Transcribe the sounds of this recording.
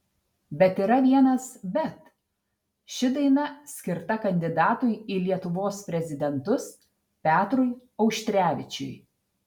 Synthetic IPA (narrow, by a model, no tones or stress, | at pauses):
bʲɛt̪iːɾɐʋʲiɛnɐsbʲɛt̪ | ʃʲɪd̪ɐɪnɐsʲkʲɪɾt̪ɐkɐnʲd̪ʲɪd̪ɑːt̪ʊjiːlʲiɛt̪ʊʋoːspʲɾʲɛzʲɪd̪ʲɛnt̪ʊs | pʲæːt̪ɾʊjɒʊʃʲt̪ʲɾʲæːʋʲɪt͡ʃʲʊj